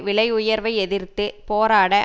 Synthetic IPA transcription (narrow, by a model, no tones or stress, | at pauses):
ʋɪɭɐɪʊjɐɾʋɐɪɛðɪɾt̪ːɯpoːɾaːɽɐ